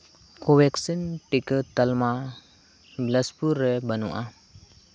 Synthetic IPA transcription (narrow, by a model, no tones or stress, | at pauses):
kowɛksinʈikət̪ːəlma | bləspuɾːɛbənṵʔa